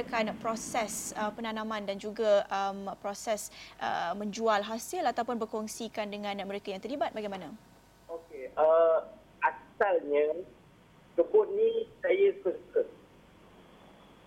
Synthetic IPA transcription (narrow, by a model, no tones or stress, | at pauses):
kanpɾosɛsəpənanãmãndand͡ʒuɡaəmpɾosɛsʔə̰mə̃ɲd͡ʒualɦasɪlat̪awpʊnbərkɔŋsikandəŋãnməɾekajaŋt̪ərlibat̪̚baɡajmana | okeə | asalɲã | təbʊt̪̚nĩsajəkəsət̚